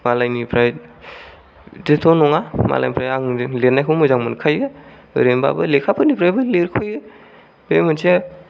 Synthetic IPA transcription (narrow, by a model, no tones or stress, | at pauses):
malajnipʰɾaj | detʰɔnɔŋama̰la̰jnipʰɾajaŋlenajkʰɯwmɯjzaŋmɯnkʰajɡɯ | ɯ̰ɾemba̰bɯlekʰapʰɯnipʰɾajbɯleɾkʰujɡɯ | bemɯnse